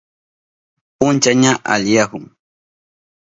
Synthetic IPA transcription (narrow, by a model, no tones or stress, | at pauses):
pʊnt͡ʃaɲaʔa̰ʎjahʊŋ